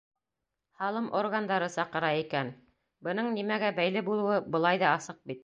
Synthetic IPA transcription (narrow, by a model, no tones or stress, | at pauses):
hɑlˠɤmʔorɣɡand̪ɑɾɤsɑqɤ̆ɾɑikæn | bɤ̆nɤɴnimæɡæbæjlɘbulˠɤ̆wɤbɤ̆lˠɑjðɑɑsɤq̚bit̪̚